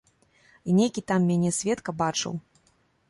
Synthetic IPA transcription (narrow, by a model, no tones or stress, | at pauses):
inʲejkʲit̪amːʲanʲɛsʲvʲɛt̪kɐbat͡ʂɨ̰w